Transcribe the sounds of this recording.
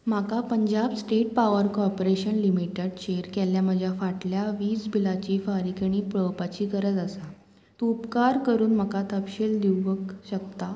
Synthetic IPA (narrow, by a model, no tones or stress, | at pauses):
m̤akapəɲd͡ʑabsʈeʈ̚paʋəɾkɔɾpoɾeɕənlimiʈeɽɕeɾkɛljam̤əd͡ʑʱjafaʈljaʋiːsbʱilat͡ɕiːfaɾikəɽ̃iːpɭəʋpat͡ɕiːkəɾət̪əsa | t̪uupkaɾkəɾuːnm̤əkat̪əpɕeld̪iʋəkɕəkt̪a